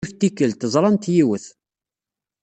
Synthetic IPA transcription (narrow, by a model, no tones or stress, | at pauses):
ft̪ikːəlt̪zˤɾˤɑnt̪jiwəθ